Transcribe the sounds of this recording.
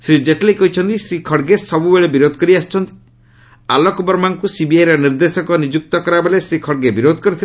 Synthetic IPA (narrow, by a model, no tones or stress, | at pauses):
sɾid͡ʒeʈlikɔɦit͡ʃʰɔnt̪isɾikʰɔɽɡesɔbubeɭebiɾod̪ʱkɔɾiast͡ʃʰɔnt̪i̥ | alɔkɔbɔɾmaŋkusibiajɾɔniɾd̪esɔkɔnid͡ʒuk̚t̪ɔkɔɾabelesɾikʰɔɽɡebiɾod̪ʱɔkɔɾit̪ʰil